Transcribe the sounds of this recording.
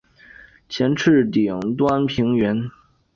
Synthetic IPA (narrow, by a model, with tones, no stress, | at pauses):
t͡ɕʰjɛ˧˥nʈ͡ʂʰɻ̩˥˩t̪i˨˩ŋt̪wa˥npʰi˧˥ŋɥɛ˧˥n